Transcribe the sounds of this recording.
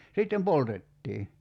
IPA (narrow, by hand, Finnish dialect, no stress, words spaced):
sitːem poltetːiː